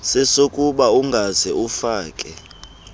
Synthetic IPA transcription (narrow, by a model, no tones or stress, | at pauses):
sɛsokʼuɓauŋɡʱazɛufaːkʼɛ